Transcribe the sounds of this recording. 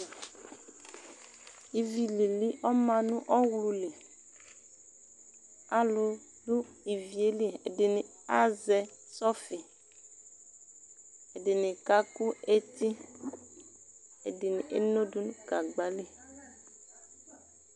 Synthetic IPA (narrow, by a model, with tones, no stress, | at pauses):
i˨vi˨li˨li˦ʔɔ˦mã˨nũ˦ʔɔ˦wlu˨le˨ | a˨lʊ˨ | dʊ˦i˨vi˨e˦li˦ḛ˨de˨nĩ˨ | a˦zɛ˨sɔ˦fi˨ | e˨de˨nɪ̃˨ka˦ku˦e˦t̪i˦ | e˨de˨ni˨ʔḛ˦no˦du˦nũ˦ka˨ɡ͡ba˨˦le˦